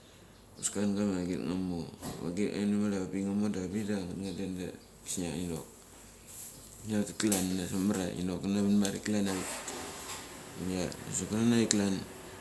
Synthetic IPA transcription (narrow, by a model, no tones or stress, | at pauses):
uskanɡamaɡitŋamoa̰ɡitŋa̰jnamaɾabiŋamodabidaŋatŋadenda̰ | ki̥saino̰k̚ | nakiklanːasomaɾa̰ḭnokanaβinmaɾḭklanait̚ | unana̰sokananaiklan